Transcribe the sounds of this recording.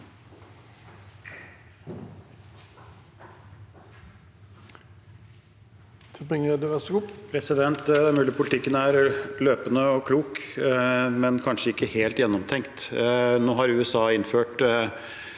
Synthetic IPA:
t̪ʰɛpɪŋəd̪ɛsʊpʰɾɛsɪd̪ɛnt̪d̪æmʉːlɪpʰʊlɪt̪ʰɪkːənæɾløːpənəɔkʰluːk | mɛnkʰɑnʂəɪkːəheːlt̪jɛnːɔmt̪ʰɛŋkt̪noːɦɑɾʉːɛsɑːɪnføːʈ

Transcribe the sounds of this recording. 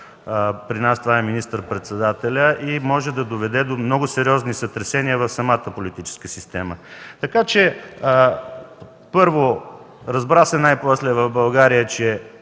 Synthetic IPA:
pɾinast̪vaɛminist̪əɾpɾɛt̪sɛd̪at̪ɛlʲəʔimɔʒɛd̪ɐd̪ovɛd̪ɛd̪omnɔɡʊsɛɾiɔznisət̪ɾɛsɛniəvɐfsɐmat̪əpolit̪it͡ʃɛ̥skəsist̪ɛmət̪ɐkat͡ʃɛ | pɤɾvo | ɾɐzbɾasɛnajpɔslɛvɐvbɐlˠɡaɾijət͡ʃɛ

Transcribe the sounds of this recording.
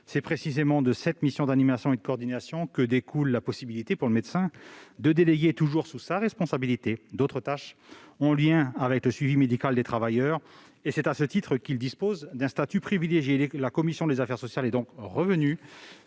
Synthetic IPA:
sɛpχesizemɑ̃d̪əsɛt̪misjɔ̃d̪animasjɔ̃ed̪əkɔʁd̪inasjɔ̃kəd̪ekʰulːapɔsibilit̪epuʁləmɛd̪sɛ̃d̪əd̪eleɡʲet̪uʒuʁsusaʁɛspɔ̃sabilit̪ed̪ot̪χət̪aʃɔ̃ljɛ̃avɛkləsɥivimed̪ikald̪et̪χavajœːʁ | esɛt̪asət̪it̪χəkʲild̪ispozd̪ɛ̃st̪at̪ypχivileʒjelakɔmisjɔ̃d̪ezafɛʁsɔsjalɛd̪ɔ̃kʁəvəny

